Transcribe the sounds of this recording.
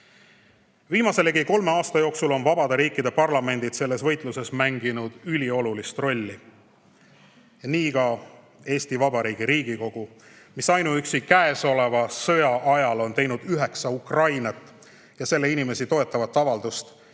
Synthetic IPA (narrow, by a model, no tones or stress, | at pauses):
viːmɑse̞lekiko̞lme̞ɑːst̪ɑjo̞ːksulo̞nvɑbɑd̪̥eɾiːkːid̪e̞pɑrlɑme̞nd̪̥it̪se̞lːe̞svɤ̞jt̪ˑluse̞smæŋɡinud̪̥ylʲio̞lulist̪ro̞lʲːi | niːkɑ | e̞ːst̪ivɑbɑɾiːɡ̥iɾiːɡ̥iko̞ɡ̥u | misɑjnuyksikæeso̞le̞vɑsɤ̞jɑʔɑjɑlo̞nt̪e̞jnud̪̥yɦe̞ksɑukrɑjnɑt̪ːˑ | jɑse̞lːe̞inime̞sit̪o̞e̞t̪ːˑɑvɑt̪ˑːɑvɑld̪̥ust̪